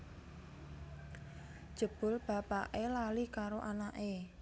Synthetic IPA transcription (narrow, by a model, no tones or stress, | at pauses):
d̥ʒ̥ə̤b̥ʊ̤lb̥a̤paʔelalikaɾoʔanaʔe